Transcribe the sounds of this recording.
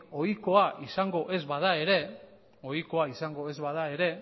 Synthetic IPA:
o̞jko̞aʔisaŋɡo̞ʔe̞zβað̞ae̞ɾe̞ | o̞jko̞aisaŋɡo̞e̞zβað̞ae̞ɾe̞

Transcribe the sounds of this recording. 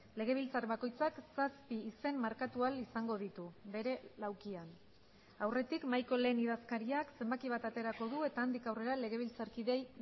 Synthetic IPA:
le̞ɣ̞e̞β̞ilt͡saɾβako̞jt͡saksaspiːse̞mmaɾkat̪ualisaŋɡo̞ð̞it̪ube̞ɾe̞lawkian | awre̞t̪ikmajko̞le̞ːniðaskaɾiakse̞mbakiβ̞at̪at̪e̞ɾako̞ðue̞t̪aːnd̪ikawre̞ɾale̞ɣ̞e̞β̞ilt͡saɾkiðe̞j

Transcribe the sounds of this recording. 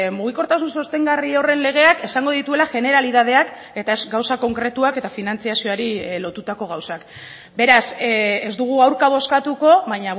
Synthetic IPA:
muɣ̞iko̞ɾt̪asunso̞st̪e̞ŋɡario̞re̞nle̞ɣ̞e̞ake̞saŋɡo̞ðit̪ue̞laʝe̞ne̞ɾalið̞að̞e̞ak | e̞t̪ae̞zɡawsako̞ŋkɾe̞t̪uake̞t̪afinant͡siasio̞aɾilo̞t̪ut̪ako̞ɣ̞awsak | be̞ɾasezd̪uɣ̞uawɾkaβ̞o̞skat̪uko̞βaɲa

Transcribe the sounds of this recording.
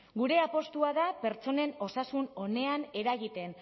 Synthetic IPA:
ɡuɾe̞apo̞st̪uaðape̞ɾt͡so̞ne̞no̞sasuno̞ne̞ane̞ɾaɣit̪e̞n

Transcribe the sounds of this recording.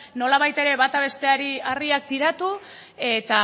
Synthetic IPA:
no̞laβ̞ajt̪e̞ɾe̞βat̪aβ̞e̞st̪e̞aɾiariak̚t̪iɾat̪u | e̞t̪a

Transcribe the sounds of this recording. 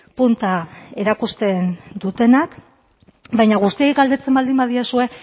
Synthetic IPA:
punt̪ae̞ɾakust̪e̞nd̪ut̪e̞nak | bajɲaɣust̪iaiɡald̪e̞t͡se̞mbald̪imbaðiasue̞

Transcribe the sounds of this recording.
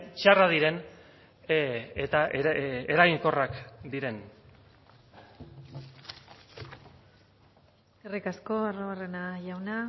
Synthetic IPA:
t͡ʃaraðiɾe̞n | et̪aeɾajŋko̞rakd̪iɾe̞n | erikasko̞aroarenaʝawna

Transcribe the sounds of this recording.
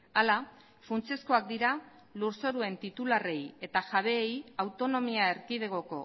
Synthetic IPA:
ala | funt͡se̞sko̞ak̚d̪iɾa | luɾso̞ɾue̞nt̪it̪ulare̞je̞t̪aʝaβ̞e̞ːjawt̪o̞no̞miaeɾkið̞eɣo̞ko̞

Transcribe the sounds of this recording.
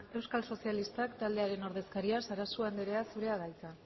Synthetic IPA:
e̞wskalso̞sialist̪akt̪ald̪e̞aɾe̞no̞ɾðe̞skaɾiasaɾasuand̪eɾe̞asuɾe̞aɣajt͡sa

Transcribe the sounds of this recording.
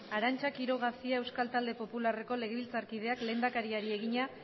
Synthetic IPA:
aɾant͡ʃakiɾo̞ɣ̞asiae̞wskalt̪ald̪e̞po̞pulare̞ko̞le̞ɣeβilt͡saɾkið̞e̞akle̞ːnd̪akaɾiaɾie̞ɣ̞iɲa

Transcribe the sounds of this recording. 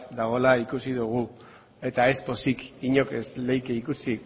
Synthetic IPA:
d̪aɣ̞o̞laikusiðuɣ̞u | e̞t̪aespo̞sikiɲo̞keslejkeikusi

